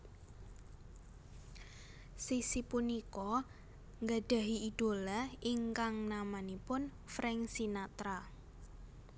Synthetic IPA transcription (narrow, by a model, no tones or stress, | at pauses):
sisipunikɔ | ŋɡaɖ̥a̤ɦiid̪̥o̤laiŋkaŋnamanipʊn | fɾɛŋsinat̪ɾa